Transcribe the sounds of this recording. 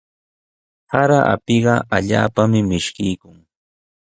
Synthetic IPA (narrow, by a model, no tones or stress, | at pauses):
haɾaʔa̰pɪɢɑʔaʎa̰ːpamɪmɪʃkɪjkʊŋ